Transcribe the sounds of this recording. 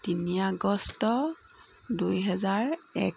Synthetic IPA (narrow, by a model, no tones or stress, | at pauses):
tiniaɡɔstɔ | dujɦɛzaɹɛ̰k